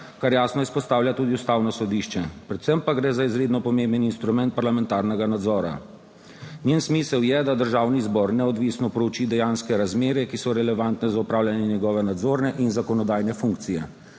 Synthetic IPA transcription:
kaɾjaːsnɔispɔst̪aːwljat̪ud̪iust̪awnɔsɔd̪iʃt͡ʃɛpɾɛt̪sɛmpaɡɾɛzaizɾeːd̪nɔpɔmembəninst̪ɾumɛnt̪̚paɾlamɛnt̪aːɾnɛɡanad̪zɔːɾa̰ | njensmiːsəwjɛd̪ad̪əɾʒaːwnizbɔɾnɛɔd̪ʋisnɔpɾɔwt͡ʃid̪ɛjanskɛɾazmeːɾjɛkisɔɾɛlɛʋant̪nɛzaupɾaːwlʲjanjɛnjɛɡɔːʋɛnad̪zoːɾnɛʔinzakɔnɔd̪aːjnɛfuŋkt̪sijɛ

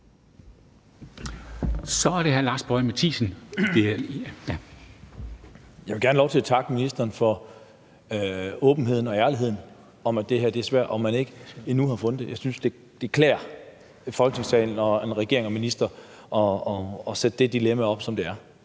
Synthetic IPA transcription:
sɒæɐɾ̥ehæɐlɑ̈ːsb̥ɒɪmet͡sʰḭːsn̩d̥ | jɑɪʋe̝ɡ̥æɐnlɒʊt͡sʰe̝læt͡sʰɑ̈ɡ̥əminisd̥ɐːnfɒ̽ | ɔ̽ːb̥n̩ɦe̝ð̞̰ˠn̩ɒ̽æɐliɦe̝ð̰ˠn̩ | ɒ̽mæd̥e̝hæɐ̰d̥e̝æɐsʋæɐ̰d̥ɒ̽mːæne̝ɡ̥əinuhɑ̈fɔ̽nð̩ˠd̥e̝jɑ̈ɪsynsd̥e̝ | d̥ekʰlɛ̰ːɐ | fɒ̽lɡ̥ənʰe̝ŋsɛ̰ːln̩ɒ̽enʁɛɡ̥e̝ɐ̰eŋɒ̽minisd̥ɐ | ʔɒɒːsed̥əd̥e̝d̥ilemæɒ̽b̥sɒ̽md̥e̝æɐ

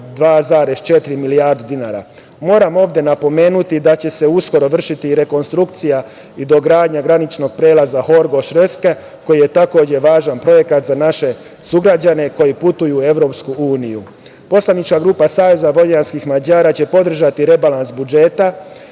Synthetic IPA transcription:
d̪ʋaːzaɾe̞st͡ʃe̞t̪iɾimilijaːɾd̪ud̪inaːɾa̰ | mo̞ːɾamo̞ːʋd̪ʲje̞napo̞me̞ːnut̪id̪at͡ɕe̞se̞usko̞ɾo̞ʋr̩ʃit̪iɾe̞ko̞nst̪ɾukt̪sija | id̪o̞ɡɾaːd̪ɲaɡɾanit͡ʃno̞ɡ̚pɾe̞ːlazaho̞ɾɡo̞ʃɾeske | ko̞jije̞t̪ako̞ːd͡ʑeʋaːʒanpɾo̞je̞kat̪zanaʃe̞ | suɡɾad͡ʑane̞ko̞jiput̪ujue̞ʋɾo̞pskuuːniju | po̞slaʋnit͡ʃkaɡɾuːpasaːʋe̞zabo̞ʎanskixmad͡ʑaːɾaːt͡ɕe̞po̞d̪r̩ʒat̪iɾe̞balansbud͡ʒe̞ːt̪a

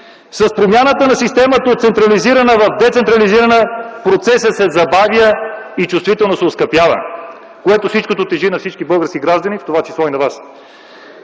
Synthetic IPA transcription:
sɐspɾomʲjanət̪ənɐsist̪ɛmət̪əot̪sɛnt̪ɾɐliziɾənəvɐfd̪ɛt̪sɛnt̪ɾɐliziɾənəpɾot̪sɛsəsɛzɐbavjəit͡ʃust̪vit̪ɛlˠnosɛoskɐpjavə̰ | koɛt̪ofsit͡ʃkot̪ot̪ɛʒinɐfsit͡ʃkibɤlˠɡəɾsk̟iɡɾaʒd̪ənift̪ovat͡ʃisˠɔinɐvas

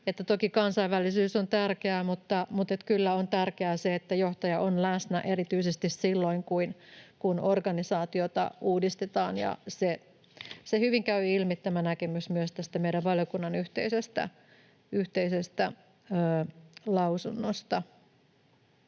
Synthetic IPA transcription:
et̪ːæt̪okikɑnsɑiʋːælːˑisyːsont̪ærkeæmut̪ːɑmut̪et̪kylːæont̪ærkeæːseet̪ːæjoht̪ɑjɑʔonlæsnæʔerit̪yisest̪issilːoiŋkuinkunorɡɑnisɑːt̪iot̪ɑ̰uːdist̪et̪ɑːnjɑ̰se | sehyʋiŋkæyilmit̪ːæmænækemysmyøst̪æst̪æmeijɾæʋʋɑljokunːɑnyht̪eisest̪æ̰ | yht̪eisest̪æ | əːlɑusunːost̪ɑ

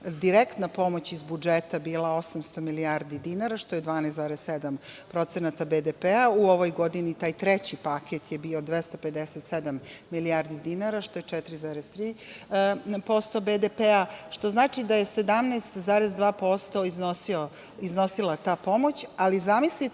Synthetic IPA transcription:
d̪iɾekt̪napo̞mo̞t͡ɕizbud͡ʒet̪abiːlao̞samst̪o̞miliaɾd̪id̪inaɾaʃt̪o̞jed̪ʋaːnɛsd̪zaːɾessed̪ampɾo̞t̪senat̪abed̪epeauoʋo̞jɡo̞d̪init̪aːjt̪ɾet͡ɕipaket̪jebiːo̞d̪ʋest̪ope̞d̪eset̪sed̪amːiliaːɾd̪id̪inaɾaʃt̪ojet͡ʂɛt̪ɾizaːɾest̪ɾiː | po̞st̪o̞bed̪epeaʃt̪o̞znaːt͡ʃid̪ajese̞d̪amneːst̪zaːɾezd̪ʋaːpo̞st̪oiznosio | izno̞silˠat̪aːpo̞mo̞t͡ɕalizamisli

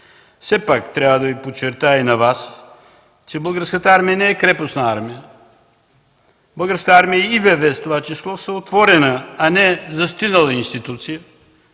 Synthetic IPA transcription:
fsɛpakt̪ɾʲavəd̪ɐvipot͡ʃːɛɾt̪ainɐvas | t͡ʃɛbəlˠɡaɾskət̪əaɾmijənɛɛkɾɛposnɐaɾmijə | bəlˠɡaɾsk̪əaɾmijəivɛvɛst̪ovat͡ʃislˠɔsəot̪vɔɾɛnəanɛzɐst̪inəlˠəinst̪it̪ut̪sijə

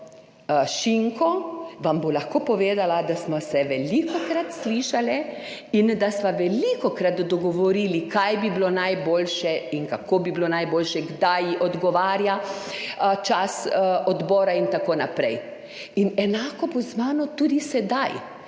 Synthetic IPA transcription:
ʃiŋkɔʋambolaxkoːpɔʋeːd̪alad̪asmɔsɛʋɛlikɔkɾat̪sliʃalɛind̪asʋaʋɛlikɔkɾat̪d̪ɔɡɔʋɔɾiːlikajbiblonajboːlʃɛinkakoːbiblonajboːlʃɛɡd̪ajʔɔd̪ɡɔʋaːɾja | t͡ʃasɔd̪bɔːɾaint̪akoːnapɾɛj | inɛnaːkɔbɔznaːnɔt̪uːd̪isɛd̪aj

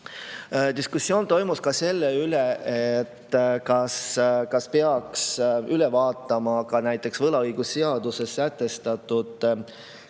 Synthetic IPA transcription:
d̪̥iskusːjo̞ːnt̪o̞jmuskɑse̞lːeyleet̪ːkɑskɑspe̞ɑksyle̞vɑːt̪ˑːɑmɑkɑnæjt̪ːˑe̞ksvɤlɑɤjɡ̥usːeɑd̪̥use̞sːæt̪ˑːe̞st̪ɑt̪ːˑud̪̥

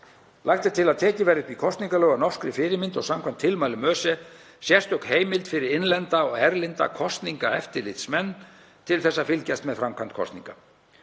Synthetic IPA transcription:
lʔajxt̪ɪt̪ʰɪlaðt̪ʰɛːcɪvɛɾɪt̪vikʰɔst̪niŋkalœːɣanɔr̥kɾɪfɪːɾɪɾmɪnt̪ɔɣsamkʰvamnt̪ʰːɪlmaːjlʏmœːsɛ | sjɛst̪ɔkheːjmɪlt̪fɪɾɪɾɪnlɛnt̪aɔɣɛɾlɪnt̪a̰kʰɔst̪niŋkaɛft̪ɪɾlɪt̪smɛnː | t̪ʰɪlθɛsːafɪlcɛst̪mɛðfɾamkʰant̪̚kʰɔ̰st̪niŋka

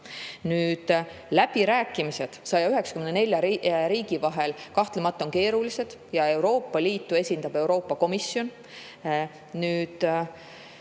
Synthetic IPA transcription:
nyːd̪̥ | læb̥iɾæːkːˑimise̞d̪̥sɑjɑyɦe̞ksɑ̥kymenene̞lʲjɑɾiːɡivɑɦe̞lkɑht̪lemɑt̪ˑːo̞nke̞ːɾulise̞d̪̥jɑe̞wɾo̞ːpːɑliːt̪ːˑue̞sʲind̪ɑb̥e̞uɾo̞ːpːɑko̞misːjo̞n | nyːd̪̥

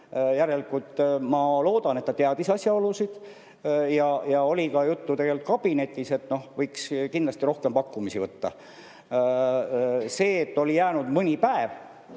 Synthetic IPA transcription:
jæɾe̞likult̪ːmɑlo̞ːd̪̥ɑnet̪ːɑt̪eɑd̪̥isɑsʲjɑo̞lusid̪̥ | jɑjɑo̞lʲikɑjut̪ːut̪e̞ɡe̞lt̪̚kɑb̥ine̞t̪ʲːˑise̞t̪no̞hvɤjkskinlɑst̪iɾo̞hke̞mpɑkːumisivɤt̪ːɑ̰ | se̞ːet̪ːo̞lijæːnud̪̥mɤnʲipæev

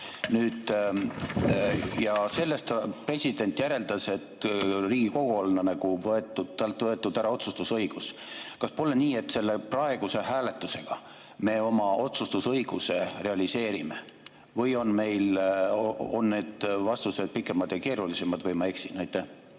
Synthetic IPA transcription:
nyːd̪̥ | jɑse̞lːe̞st̪pre̞sʲid̪̥e̞nt̪ːˑjæɾe̞ld̪̥ɑse̞t̪riːɡ̥iko̞ɡ̥oolnɑnæɡ̥uvɤe̞t̪ˑːud̪t̪ɑlt̪ːˑvɤe̞t̪ːˑud̪æɾɑo̞t̪sust̪usɤjɡ̥uskɑspo̞le̞niːe̞t̪ːse̞lːe̞prɑe̞ɡ̥use̞hæːle̞t̪ːˑuse̞ɡ̥ɑ | me̞ːo̞mɑo̞t̪sust̪usɤjɡ̥use̞re̞ɑlise̞ːɾimḛ | vɤjo̞nme̞jloo̞nːne̞ːd̪̥vɑst̪use̞d̪̚pikːˑe̞mɑd̪̥jɑke̞ːɾulise̞mɑd̪̥vɤjmɑe̞ksinæjt̪ːˑæh

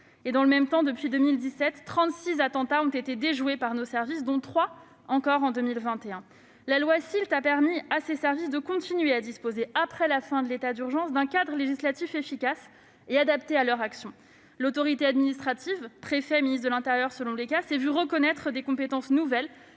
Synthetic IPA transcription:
ed̪ɑ̃ləmɛmt̪ɑ̃d̪əpɥid̪əmild̪isɛt̪ːχɑ̃t̪sizat̪ɑ̃t̪aɔ̃t̪et̪ed̪eʒwepaʁnosɛʁvisd̪ɔ̃t̪χwa | ɑ̃kɔʁɑ̃d̪ømilvɛ̃t̪eɛ̃ | lalwasilt̪apɛʁmiasesɛʁvisd̪əkɔ̃t̪inɥead̪ispozeapχɛlafɛ̃d̪əlet̪ad̪yʁʒɑ̃sd̪ɛ̃kad̪ʁəleʒislat̪ifefikʲas | ead̪apt̪ealœʁaksjɔ̃ | lot̪ɔʁit̪ead̪minist̪χat̪ivpχefɛministd̪əlɛ̃t̪eʁjœʁsəlɔ̃lekasɛvyʁəkɔnɛt̪χəd̪ekɔ̃pet̪ɑ̃snuvɛl

